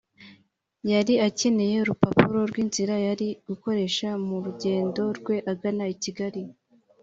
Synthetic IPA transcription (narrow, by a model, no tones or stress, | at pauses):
jaɾiace̞ne̞je̞ɾupapuɾo̞ɾɡwiːnziɾajaɾiɡuko̞ɾe̞ʃamuɾuɟe̞ːndo̞ɾɡwe̞ʔaɡanaiciɡaɾi